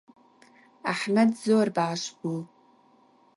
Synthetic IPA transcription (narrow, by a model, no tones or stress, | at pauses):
aħmadzowrbaʕːʂʷɡʷul